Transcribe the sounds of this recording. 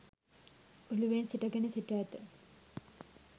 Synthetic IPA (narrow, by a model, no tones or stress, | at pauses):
uluʋensiʈɐɡenisiʈat̪ə